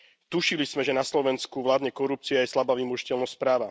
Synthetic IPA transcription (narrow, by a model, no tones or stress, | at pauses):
t̪uʃilizmɛʒɛnaslɔʋɛnskuʋlaːd̪ɲɛkɔɾup̚t͡siajɛslabaʋimɔʒicɛlnɔspɾaːʋa